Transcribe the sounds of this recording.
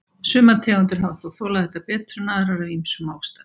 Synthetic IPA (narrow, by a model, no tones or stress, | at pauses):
sʏːmat̪ʰɛːɣʏnt̪̬ʏɾ̥ɦawθɔwθɔːlaðθhɛht̪ːapɛːt̪ɾʏnaːðɾaɾavimsʏmawst̪ḁ